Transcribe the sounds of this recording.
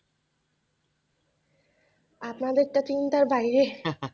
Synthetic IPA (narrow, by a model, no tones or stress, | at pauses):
apnad̪eɾʈat̪int̪aɾbajɾe